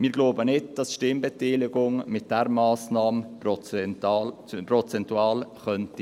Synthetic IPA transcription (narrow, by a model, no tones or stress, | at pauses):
mɪːɾɡloʊbənɪdd̥ɑsʃtɪmbɛtiːlɪɡʊŋmɪt̚d̥ɛɾmɑːsnɑːm | prɔt͡sɛntuɑːlχœnti